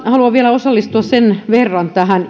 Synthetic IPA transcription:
hɑluɑʋʋiælæosɑlːist̪uɑssenʋerːɑnt̪æhæn

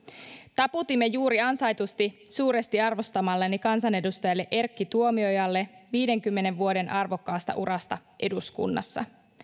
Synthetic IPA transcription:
t̪ɑput̪imːe̞juːɾiɑnsɑjt̪ust̪isuːɾest̪iɑrʋo̞st̪ɑmɑlːenːikɑnsɑne̞dust̪ɑjɑlːe̞ʔe̞rkːit̪uomio̞jɑlːe̞ʋiːde̞ŋkymːe̞ne̞ʋʋuode̞nʔɑrʋo̞kːɑːst̪ɑ̰ʔuɾʔɑst̪ɑ | ʔe̞duskṵnːɑ̰sːɑ̰

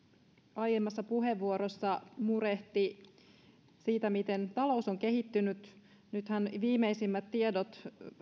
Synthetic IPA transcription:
ɑjemːɑsːɑpuɦe̞ʋːuoɾo̞sːɑmuɾe̞ht̪i | siːt̪æmit̪e̞nt̪ɑlo̞usoŋke̞ɦit̪ːynyt̪ | nyt̪hænʋiːme̞isimːæt̪ːiedot̪

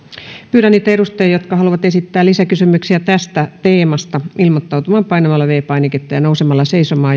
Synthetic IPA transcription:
pyːɾænːiːt̪æerust̪ejɑjot̪kɑhɑluʋɑt̪esit̪ːæːlisækysymyksiæt̪æst̪æt̪eːmɑst̪ɑilmot̪ːɑut̪umɑːmpɑinɑmɑlːɑʋeːpɑiniket̪ːɑjɑnousemɑlːɑseisomɑː

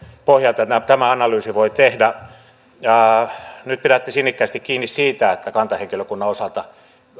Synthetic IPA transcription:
pohjɑlt̪ɑt̪æt̪æmæɑnɑlyːsiʋoit̪ehdæː | nyt̪̚piɾæt̪ːesinːikːæːst̪ikkiːnːissiːt̪æet̪ːækɑnt̪ɑheŋkiløkunːɑosɑlt̪ɑ

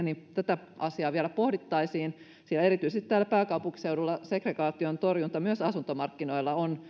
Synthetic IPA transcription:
nit̪æt̪æʔɑ̰siɑːʋiælæpohdit̪ːɑisiːn | sieleɾit̪yisest̪i̥t̪æːlæpæːkɑupuŋki̥seudulːɑsekreɡɑːt̪iont̪orjunt̪ɑmyøsɑsunt̪omɑrkːinoilːɑon

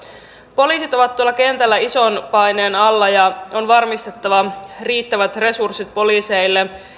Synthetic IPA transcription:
po̞liːsit̪o̞ʋɑt̪t̪ːuolːɑke̞nt̪ælːæiso̞npɑjne̞ːnɑlːɑjɑo̞nʋɑrmist̪e̞t̪ːɑʋɑriːt̪ːæʋæt̪re̞sursit̪̚po̞liːse̞jlːe̞

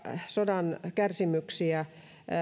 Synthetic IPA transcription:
sodɑnkærsimyksiæ

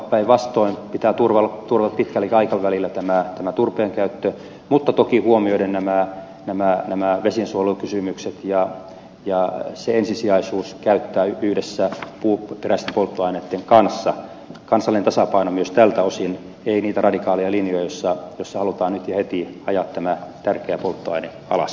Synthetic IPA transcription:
pːæiʋʋɑst̪oimpit̪æːt̪urʋɑlt̪urʋɑpit̪kælːikɑikɑʋʋælilːæt̪æmæt̪æmæt̪urpeːŋkæyt̪ːø | mut̪ːɑt̪okihuomioidennæmæ | næmænæmæʋesinsuolukysymykset̪jɑ | jɑseensisiɑisuːskæyt̪ːæːyhdesːæpuːperæst̪empolt̪ːoɑinet̪ːeŋkɑnsːɑ | kɑnsɑlːinent̪ɑsɑpɑinomyøst̪ælt̪æosin | einiːt̪ærɑdikɑːlijɑlinjojɑjosːɑjosːɑhɑlut̪ɑːnnyt̪jɑhet̪iɑjɑt̪tæmæt̪ærkeæpolt̪ːoɑine | ɑ̰lɑ̰s

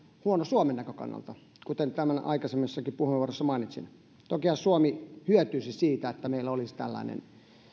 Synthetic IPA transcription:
huonosuomenːækøkɑ̰nːɑ̰lt̪ɑ | kut̪ent̪æmænɑ̰ikɑsemːesːɑkipuheʋuorosːɑmɑˑinit̪sḭn | t̪okihɑsuomihyøt̪yːsisiːt̪æet̪ːæmeilːæolist̪æ̰lːɑ̰inḛn

